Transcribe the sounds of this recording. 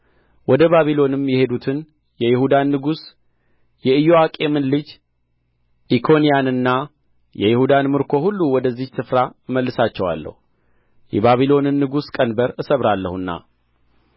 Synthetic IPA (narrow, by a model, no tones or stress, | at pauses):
wɔd̪əβaβilo̞nɨmjɛhe̞d̪ut̪ʰɨn | jɛjɪhud̪anːɨɡus | jɛɨjoakʼe̞mɨnlɨd͡ʒ | ʔikʰo̞nijanɨnːa | jɛjɪhud̪anmɨɾkʰo̞hulːuwɔd̪əzːihsɨfɾaməlːɨsat͡ʃːɛwa̰lːə̰hu | jɛβaβilo̞nɨnːɨɡuskʼənbəɾɨsəβɾalːə̰hunːa̰